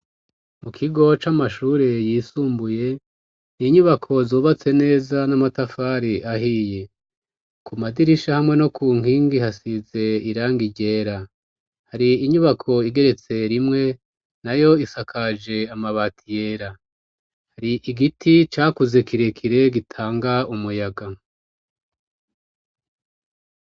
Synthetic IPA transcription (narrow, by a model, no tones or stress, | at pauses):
mukʰiɡo̞t͡ʃamaʃuːɾe̞jisuːmbuje̞ | niɲuβakʰo̞zoːβat͡se̞ne̞ːzanamatafaːɾiʔaɦije̞ | kumadiɾiʃahamŋe̞no̞kuːŋ̥iːŋɡihasize̞iɾaːŋɡiɟe̞ːɾa | haɾiiɲuβakʰo̞iɡe̞ɾe̞t͡se̞ɾimŋe̞ | najo̞isakʰad͡ʒe̞amaβaːtʰije̞ːɾa | haɾiʔiɡitʰit͡ʃaːkuze̞kiɾe̞kʰiɾe̞ɡitʰaːŋɡaumujaɡa